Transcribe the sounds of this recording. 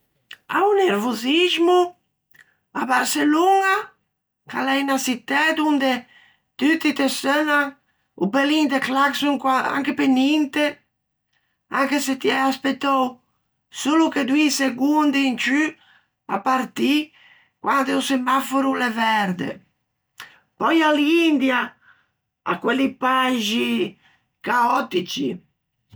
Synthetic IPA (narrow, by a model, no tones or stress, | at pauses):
a̰uneɾvozizmu | abaɾseluŋa | kalɛjnasit̪ːɛd̪und̪e | t̪yt̪it̪esøna | ṵbelind̪eklaksuŋkwaa̰ŋkepenint̪e | aŋkeset̪iɛaspet̪ːɔw | suluked̪uiseɡund̪iːnt͡ʃy | a̰pːaɾt̪i | kwand̪eusemafoɾulevɛɾd̪ḛ | pɔjaliind̪ja | a̰kːwɛlipaʒi | kaɔt̪it͡ʃḭ